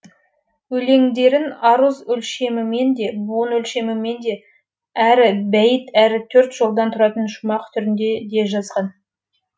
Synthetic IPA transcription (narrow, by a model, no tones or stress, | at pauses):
ɵle̞ŋd̪e̞ɾɪnɑɾəzʏlʃe̞mɪme̞nd̪e̞buənɵlʃe̞mɪme̞nd̪e̞ | æɾɪbæjət̪æɾɪt̪ʰɵɾt̪ʒ̥o̞lˠd̪ɑnt̪ʰʊɾɑt̪ənʃʊmɑqt̪ʰʏɾɪnd̪e̞d̪e̞ʒɑzʁɑn